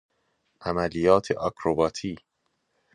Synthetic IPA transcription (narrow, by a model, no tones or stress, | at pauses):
ʔæmælijɒːt̪ʰḛʔɒkʰɾobɒːt̪ʰiː